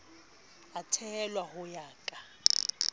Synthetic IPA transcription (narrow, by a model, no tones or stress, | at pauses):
atʰɛlwahʊjaːkʼa